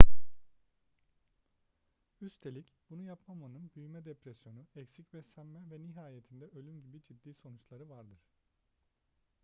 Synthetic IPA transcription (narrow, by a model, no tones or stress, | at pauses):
yst̪ʰe̞lʲicb̥unujapmamanɯnbyjymɛd̪epɾɛsjo̞nuɛcsicvɛsæmːɛvɛniɦaːjet̪ʰind̪ɛʔø̞lʲymɟibid͡ʒʰid̪ːiːso̞nut͡ʃlˠaɾɯvaɾd̪ɯɾ̥